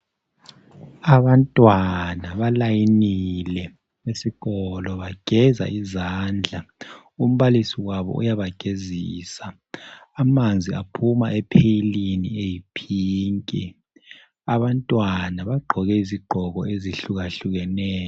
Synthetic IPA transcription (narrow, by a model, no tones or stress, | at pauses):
aβantʼwanaβalajinilɛ | wesiɣɔlɔβaɡ̥ʱɛza̰izaːnd͡ɮʱa | um̩βalisiɣwaβɔ̰ṵjaβaɡ̥ʱeziːsaː | mand͡zʱiapʰumaʔɛpʰejiliniejipʰiːŋkʼi | aβantʼwanaβaɡ͡ǃʱɔɣɛiziɡ͡ǃʱɔɣɔ̰eziɬuɣaɬuɣɛnɛːjɔ